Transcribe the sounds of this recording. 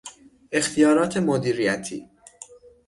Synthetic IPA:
e̞xt̪ʰijɒːɾɒːt̪ʰemod̪iːɾijæt̪ʰḭː

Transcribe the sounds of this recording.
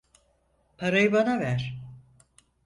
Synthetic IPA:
pʰaɾajɯbanavæɾ̥

